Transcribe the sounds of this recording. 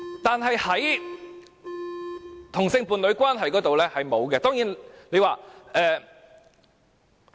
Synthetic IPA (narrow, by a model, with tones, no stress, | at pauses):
t̪aː˨nɦɐ˨jhɐ˨˥j | t̪ʰʊ˨˩ŋsɪ˧ŋpuː˨˧nlɥkʷwaː˥nɦɐ˨jkɔː˨˥t̪o˨wlɛː˥hɐ˨jmo˨˧wkɛ˧t̪ɔː˥ŋjiː˨˥nle˨˧waː˨ʔɛː˨˧